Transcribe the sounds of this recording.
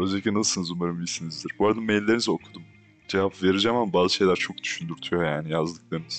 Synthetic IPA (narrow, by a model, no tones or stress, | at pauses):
øzd̪akcinassɯnɯzumaɾɯmvilʲsinizd̪iɾbuaɾad̪ɯmejlʲilʲːeɾinizokʰud̪um | d͡ʒevapve̞ɾid͡ʒamambaːzɯʃe̞jlʲæɾt͡ʃʰo̞k̚d̪̥y̥ʃynd̪yɾt̪ʰujo̞jaːnijazd̪ɯklˠaɾɯnɯz̥